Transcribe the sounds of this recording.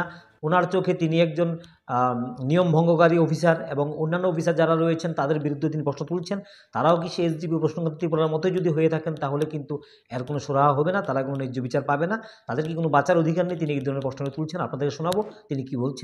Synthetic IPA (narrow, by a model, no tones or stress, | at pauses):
onaɾt͡ɕokʰet̪iniɛk̚d͡ʑon | niombʱɔŋɡokaɾiɔfʰisaɾeboŋonːanːoɔfʰisaɾd͡ʑaɾaɾojet͡ɕʰent̪ad̪eɾbiɾud̪ʱːet̪inipɾɔʃnot̪ult͡ɕʰen | t̪aɾaok̬iʃeesdipiopɾoʃnoŋkʰot̪at̪ipoɾaɾmɔt̪od͡ʑod̪ʱiɦojet̪ʰakent̪aɦolekint̪u | ɛɾkonoʃoɾaɦaɦɔbenat̪aɾakononid͡ʑːobit͡ɕaɾpabenat̪ad̪eɾkikonobat͡ɕːaɾod̪ʱikaɾnejt̪iniejd̪ʱɔɾoneɾpɔʃnoet̪ult͡ɕʰenapnad̪eɾkeʃonabot̪inikibolt͡ɕʰen